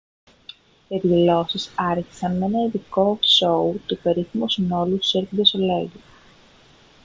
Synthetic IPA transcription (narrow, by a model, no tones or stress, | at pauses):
epðilo̞sisɐɾçi̥sɐnme̞nɐiðiko̞so̞ut̪upe̞ɾiθimusino̞lust̪u̥seɾpid̪esoleɡi